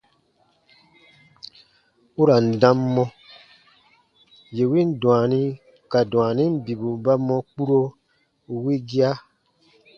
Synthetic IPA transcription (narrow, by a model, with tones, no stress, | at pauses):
u˦ɾa˨n̩˨dã˦mːɔ̃˧ | je˨wi˦n̩˦dũ˨a˨nĩ˦ | ka˨dw̃a˨nĩ˦m̩˦bi˨bu˨ba˦mɔ̃˧k͡pu˦ɾo˦ | wi˦ɡi˦a˦